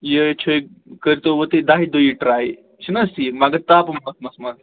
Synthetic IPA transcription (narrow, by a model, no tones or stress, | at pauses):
jet͡ʃʰo | kəɾit̪oʋot̪ed̪aɦid̪oiʈɾaːj | t͡ʃʰinɐsimaɡɐt̪aːpɐmmɐsmɐsmal